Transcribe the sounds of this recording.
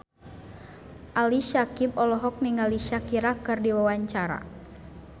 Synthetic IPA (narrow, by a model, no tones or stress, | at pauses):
ʔaliʃakib̚ɔlɔɦɔk̚niŋaliʃakiɾakɨrdiwawaɲt͡ʃaɾa̰